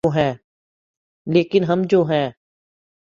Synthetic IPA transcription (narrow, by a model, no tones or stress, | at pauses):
oːɦɛ̃ː | leːkɪnɦɐmd͡ʒoːɦɛ̃ː